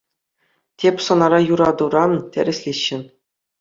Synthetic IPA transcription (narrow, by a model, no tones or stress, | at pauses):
tʲepʲsŏnɑɾɑjuɾɑd̪uɾɑnt̪ʲɘ̰̆ɾʲɘ̆sʲlʲiɕːɘ̆n